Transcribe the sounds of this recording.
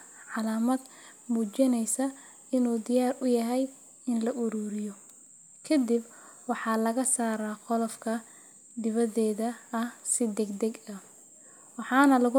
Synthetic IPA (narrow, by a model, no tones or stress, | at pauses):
ʕɑlaːmɐd̪ | muːt͡ʃɪnɛjsɐ | ɪnuːd̪ɪjaːrʊjɐɦɛj | ɪnlɐʔʊɾuːɾɪjɔ | kʰɐd̪ɪb | wɑħɑːlɐɣɐsaːɾaːqɔlɐfkʰɐ | d̪ɪβɐðɛːðɐɐhsɪd̪ɛɡd̪ɛɡɐ | wɑħɑːnɐlɐɣʊ